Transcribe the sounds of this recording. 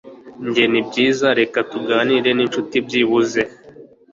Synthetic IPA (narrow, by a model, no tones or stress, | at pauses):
ɲɟenibɟiːzaɾe̞katuɡaːniɾe̞nint͡ʃutibjiβuze̞